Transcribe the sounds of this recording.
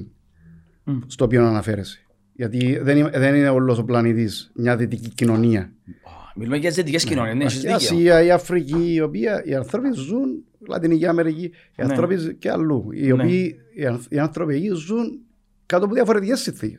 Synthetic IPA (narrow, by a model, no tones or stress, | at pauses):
st̪o̞ːpionanɐfe̞ɾese̥ | ʝɐt̪iðenimðenineolːosoplɐnit̪ismɲɐðit̪icicino̞niɐomilumejɐizðit̪icescinoninsiziasiɐiɐfɾiciːo̞piɐiɐnθɾopizun | lɐ̰t̪iniciɐmeɾici | iɐnθɾo̞pisceɐ̰lːuḭoiː | iɐnθɾopijizun | kat̪opuðiɐfoɾet̪icesːinθḭces